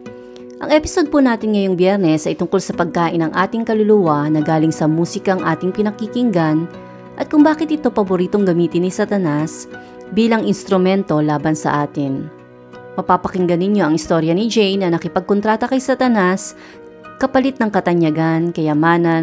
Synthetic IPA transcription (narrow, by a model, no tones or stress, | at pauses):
ʔɐ̰ŋʔɛpɪsod̪̚punaːt̪ɪnŋɐjo̞ŋbjɛɾnɛsʔɐjt̪ʊŋko̞lsɐpɐɡ̚kaːʔɪnɐŋʔaːt̪ɪŋkɐlʊlʊwanɐɡaːlɪŋsɐmuːsɪkɐɐŋʔaːt̪ɪŋpɪnɐkikɪŋɡan | ʔɐt̪̚kʊŋbaːkɪt̪̚ʔɪt̪o̞pɐboɾiːt̪o̞ŋɡɐmiːt̪ɪnːɪsɐt̪ɐnas | biːlɐŋʔɪnst̪ɾʊmɛnt̪o̞laːbɐnsɐ̰ʔaːt̪ɪn | pɐpapɐkɪŋɡɐnːɪɲo̞ʔɐŋɪst̪o̞ɾjɐnɪd͡ʒejnɐnɐkɪpɐɡ̚kont̪ɾaːt̪ɐkɐjsɐt̪ɐnas | kɐpɐlɪt̪nɐŋkɐt̪ɐɲjɐɡankɐjɐmaːnɐ